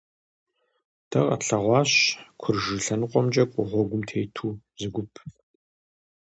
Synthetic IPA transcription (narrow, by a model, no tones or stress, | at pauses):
d̥ɐqɐ̰ɬɐʁʷɑːɕkʷʰʊrʒɨɬɐnɨqʷʼɔmd͡ʒʼɐkʷʼɔʁʷɔɡʷʊmtʰeːtʰuː | zɨɡʷʊpʰ